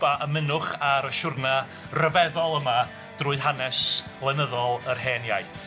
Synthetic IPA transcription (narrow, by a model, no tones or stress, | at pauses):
baʔəmɪnʊχaɾəʃʊrna | rəvɛðɔlˠəma | d̥rʊːɨðɦanɛsb̥lˠɛnəðɔlˠərɦɛːnjaj